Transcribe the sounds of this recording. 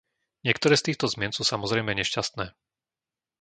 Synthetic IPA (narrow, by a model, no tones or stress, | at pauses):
ɲɪɛkt̪ɔɾɛːst̪iːxt̪ɔzmɪɛnsuːsamɔzɾɛjmɛɲɛʃcast̪nɛː